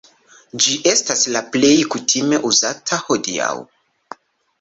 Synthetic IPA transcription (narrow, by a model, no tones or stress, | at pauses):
d͡ʒiʔe̞staslaple̞jkutʰime̞ʔuzatʰaho̞dia̰w